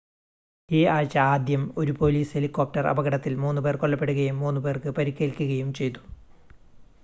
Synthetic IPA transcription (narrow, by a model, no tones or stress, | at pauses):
iːaːɻt͡ɕːɐaːd̪jɐmo̞ɾupo̞ːliːshelikːoːp̚ʈɐrɐ̰bɐɣɐɽɐt̪ːilmuːnːupe̞ːrkoɭːɐpːe̞ɽuɣɐjumːuːnːupeːrkɨpɐɾikʲːeːlkʲːuɣɐjumt͡ɕe̞jt̪u̥